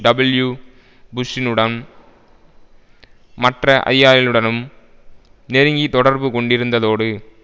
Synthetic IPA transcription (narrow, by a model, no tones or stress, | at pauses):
ɖɐbɐlju | bʊsɪnɯɽɐn | mɐʈrɐʔɐ̰jːaːjɪlɯɽɐnɯm | nɛɾɯŋɡit̪ɔɽɐɾbɯkɔɳɖɪɾɯnd̪ɐðoːɽɯ